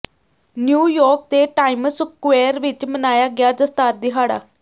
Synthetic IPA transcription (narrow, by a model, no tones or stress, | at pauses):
njuːjɔːɾk̚t̪eʈaːɪməsʊkːʋeːəɾʋɪt͡ʃmənaːjaːɡjaːd͡zəst̪aːɾd̪ɪɦaːɽa̰ː